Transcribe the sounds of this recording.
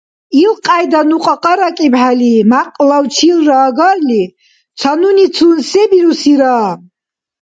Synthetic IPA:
ilqʼajd̪anuqʼaqʼaɾakʼibħalimaqʼlawt͡ʃʰilraːɡarli | t͡sʷʰanunit͡sʰunsebiɾusiɾaː

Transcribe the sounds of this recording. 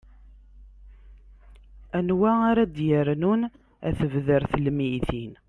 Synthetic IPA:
ænwæaɾad̪jəɾnun | æ̰θəvðəɾθəlmijθin

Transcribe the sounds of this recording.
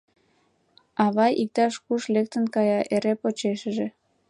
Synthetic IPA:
ɑβɑjik̚t̪ɑʃkuʃlek̚t̪ənkɑjɑʔeɾepot͡ɕeʃəʒe

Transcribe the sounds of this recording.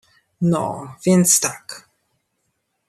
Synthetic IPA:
nɔ̰vʲjɛnt̪st̪ak

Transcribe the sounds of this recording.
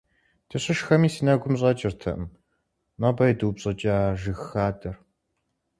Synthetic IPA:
tʰɨɕɪʃxɐmiːsiːnɐɡʷʊmɕ̬ʼɐt͡ʃʼɪrtʰɐ̰ʔm | mɐbɐjdubɕʼɐt͡ʃʼaːʒɨxaːdɐr

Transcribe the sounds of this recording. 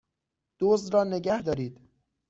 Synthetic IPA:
d̪̥oːzd̪ɾɒːneɡæhd̪ɒːɾiːd̪̥

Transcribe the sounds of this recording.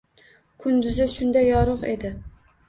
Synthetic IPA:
kʰʊnd̪ʊzɪʃʊnd̪ajɒɾʊqḛd̪ɪ

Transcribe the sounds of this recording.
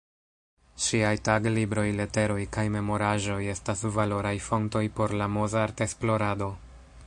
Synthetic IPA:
ʃiajtaɡlibɾo̞jle̞te̞ɾo̞jkajme̞mo̞ɾaʒo̞je̞stasvalo̞ɾajfo̞nto̞jpo̞ɾlamozaɾte̞splo̞ɾado̞

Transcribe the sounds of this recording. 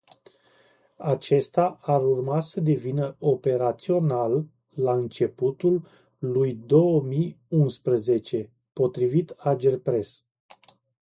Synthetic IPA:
at͡ʃe̞st̪aaɾurmasəd̪e̞vinəo̞pe̞ɾat̪sio̞nalː | aɨnt͡ʃe̞put̪ulː | ujd̪o̞wəmijunspɾəze̞t͡ʃe̞ | po̞t̪ɾivit̪ad͡ʒe̞rpɾe̞s

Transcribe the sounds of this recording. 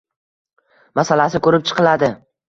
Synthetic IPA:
masalasɪkʰɵɾɪp̚t͡ʃʰɨ̥qʰɨlad̪ɪ

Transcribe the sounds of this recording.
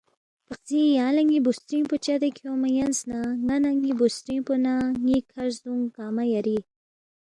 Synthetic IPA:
paq̚zijãːlaŋibust̪ɾiŋput͡ʃad̪ekʰjoːmajansnaŋanaŋibust̪ɾĩŋponaŋikʰaʂd̪uŋkaːmajaɾi

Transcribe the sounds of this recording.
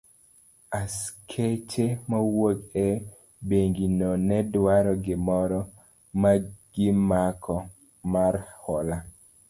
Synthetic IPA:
askʰet͡ʃemawoɡɛ | beŋɡinɔnɛdwaɾɔɡɪmɔɾɔ | maɡ̥ɪmakʰɔ | marhɔla

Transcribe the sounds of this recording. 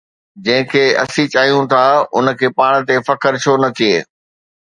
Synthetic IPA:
d͡ʑɐ̃ɦɪ̃kʰeːɐ̰sĩt͡ɕaːɦijũt̪ʰaʊ̰nə̆kʰeːpaːɽ̃t̪efɐkəɾt͡ɕʰoːnɐt̪ʰieː

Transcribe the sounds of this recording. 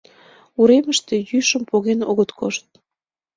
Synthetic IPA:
uɾeməʃt̪e̽jyʃəmpoɣenoɣət̪kʰoʃt̪̚

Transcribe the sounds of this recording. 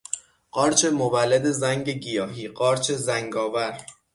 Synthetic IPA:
ɢɒːɾt͡ʃʰe̞movælːed̪e̞zæŋɟe̞ɟijɒːɦiːɢɒːɾt͡ʃʰe̞zæŋɡɒːvæɾ

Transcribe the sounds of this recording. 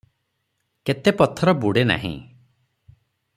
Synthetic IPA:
ket̪epɔt̪ʰːɔɾɔbuɽena̰ɦḭ̃

